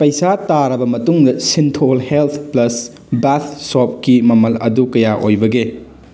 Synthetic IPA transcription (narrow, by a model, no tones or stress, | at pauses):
pɐjsataɾɐbɐmɐtuŋdɐsintʰolhelt̪ʰplɐs | bat̪ʰsop̚kimɐmɐlɐ̰dukɐjaʔojbɐɡe